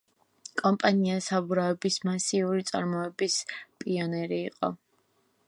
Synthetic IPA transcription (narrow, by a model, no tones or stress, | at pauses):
kʼɔmpʼaniasabuɾaɛbismasiuɾit̪sʼa̰ɾmɔɛbispʼiɔnɛɾiːqʼɔ̰